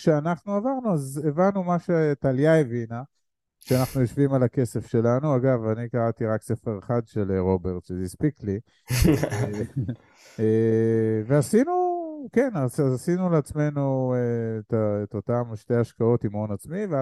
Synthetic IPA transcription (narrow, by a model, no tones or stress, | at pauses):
ʃeanaχnuavaʁnuazevanːumaʃetaljaevina | ʃeanaχnujo̞ʃvimalake̞sefʃe̞lanuaɡavanikaʁat̪iʁakse̞feʁeχad̪ʃeleʁo̞be̞ʁtʃezispikli | e | veasinuke̞nasazasinuleat͡sme̞nuetaetotamʃte̞jaʃkao̞timonat͡smive